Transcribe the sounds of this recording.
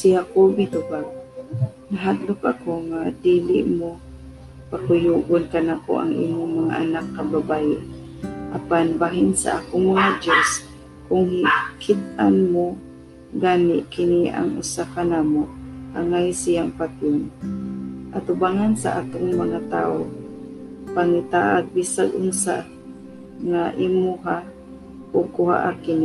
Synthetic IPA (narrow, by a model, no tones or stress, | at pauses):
sɪhakobit̪ʊbaɡ̚naɦaɡ̪lʊk̚a̰koŋad̪iːlɪ̰ʔmo | pakʊjuʔʊnkanako̰ʔa̰ŋʔḭmʊŋmaŋa̰ʔa̰nakːababajɪ | ʔapanbaːɦɪnsa̰ʔaːkʊŋmaŋad̪jos | kʊŋhɪkʰɪd̪̚ʔanmo | ɡaːnɪ̰ʔkɪnia̰ŋʔʊ̰sakanaːmoʔʔaŋajsijaŋpat̪on | ʔat̪ʊbaːŋansa̰ʔat̪ʊŋmaŋat̪a̰ːo | paŋit̪aʔaɡ̚bisaɡʔʊŋsa̰ | ŋaʔimuɦa | ʔoɡ̚kʊha̰ʔakɪni